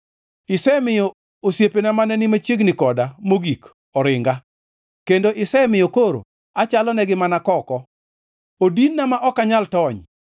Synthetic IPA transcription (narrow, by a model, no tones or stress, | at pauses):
ɪsɛmɪjɔ | osjepenamanɛnɪmat͡ʃeɡnɪkɔdamoɡik | ɔɾɪŋɡa | kendoʔɪsɛmɪjokoɾo̰ | at͡ʃalɔnɛɡɪmanakɔkɔ | odinːamaʔɔkaɲaltɔɲ